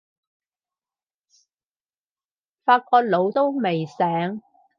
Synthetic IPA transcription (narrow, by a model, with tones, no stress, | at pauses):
faː˧t̚kɔː˧t̚lo˨˧wt̪o˥wme˨jsɛː˨˥ŋ